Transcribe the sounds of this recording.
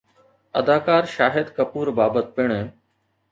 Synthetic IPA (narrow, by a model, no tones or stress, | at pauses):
ɐd̪aːkaːɾʃaːɦɪd̪kɐpuːɾbaːbət̪̚pɪɽ̃